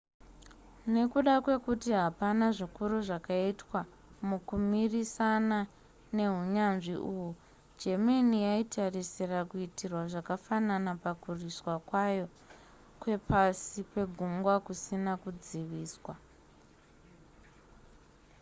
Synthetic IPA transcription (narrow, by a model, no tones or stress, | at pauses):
ne̞kuɗakwe̞kutiɦapanaʐikuruʐakaitwa | mukumirisana | ne̞ɦuɲanʐḭʔuːwu | d͡ʒemenijaitʰarisirakuitirwaʐakafananapakuriswakwajo̞ | kwe̞pʰasipe̞ɡʱuŋɡwakusinakud͡ziʋiːswa